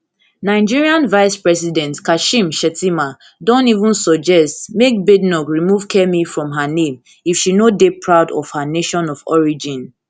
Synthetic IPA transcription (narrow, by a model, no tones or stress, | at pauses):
naɪd͡ʒiɹiãnvaɪspɹɛs̬idɛ̃ntkaʃĩmʃɛtima | dõntivũnsɔd͡ʒɛstmek̚bednɔkɹimuv̥kʰɛmifɹɔ̃mɦanẽm | ifʃinodepʰɹaʊdɔ̰v̥haneʃɔ̃nɔvɔ̰ɹid͡ʒĩn